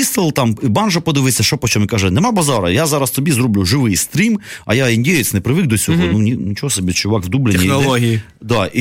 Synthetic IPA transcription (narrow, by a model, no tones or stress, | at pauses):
ist̪ɪlˠt̪ɑmibɑnʒɐpɔd̪ɪʋɪsʲɐʃɔpɔt͡ʃɔmɪkaʒɛnemabɐzɑɾɐjazɑɾɐst̪ɔbʲizɾublʲʊʐɪʋɪjst̪ɾʲimɐjaɪnʲdʲejɪt͡sʲnɛpɾɪʋɪk̚d̪ɔsʲɔɦɔnunʲinʲɪt͡ʃoɔsɐbʲit͡ʃʊʋɑkvd̪ublʲɪɪnʲːɪnɐlˠoɦʲii | d̪ai